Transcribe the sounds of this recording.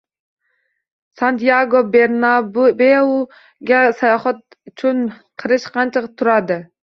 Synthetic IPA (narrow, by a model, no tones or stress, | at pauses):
sɑnt̪ijɑɡobeɾnɑbeu | ɡʲɛsɑjɑχɑt̪̚ | yt͡ʃʰunqʰəɾɨʃqʰɑnt͡ʃʰɨqt̪ʰːuɾɑd̪ɪ